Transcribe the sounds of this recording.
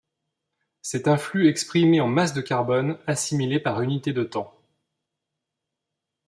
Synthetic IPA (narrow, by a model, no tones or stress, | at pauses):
sɛt̪ɛ̃flyɛkspχimeɑ̃masd̪əkʲaʁbɔnasimilepaʁynit̪ed̪ət̪ɑ̃